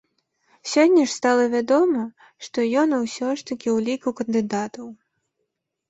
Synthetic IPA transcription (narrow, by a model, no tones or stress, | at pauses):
sʲɔnʲːɐʂst̪alˠɐvʲad̪ɔmɐ | ʂt̪ɔjɔnuwsʲɔʂt̪ɐkʲiwlʲikɐwkɐnd̪ɨd̪at̪ɐw